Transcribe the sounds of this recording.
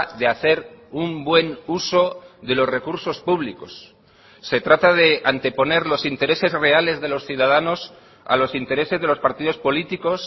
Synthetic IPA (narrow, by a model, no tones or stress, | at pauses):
ðe̞aθe̞ɾumbwe̞nuso̞ðe̞lo̞sre̞kuɾso̞spuβ̞liko̞sː | e̞t̪ɾat̪að̞e̞ant̪e̞po̞ne̞ɾlo̞sint̪e̞ɾe̞se̞zre̞ale̞zðe̞lo̞sθjuðað̞ano̞s | a̰lo̞sint̪e̞ɾe̞se̞zðe̞lo̞spaɾt̪iðo̞spo̞lit̪iko̞s